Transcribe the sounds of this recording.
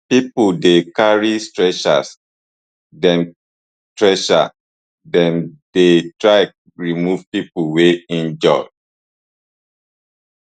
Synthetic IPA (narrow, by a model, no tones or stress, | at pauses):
pipudekaɹistɹɛʃa̰s | dɛ̃n | tɹɛʃa̰ | dɛ̃ndetɹaɪ | ɹimuvpipuweĩnd͡ʒɔɪ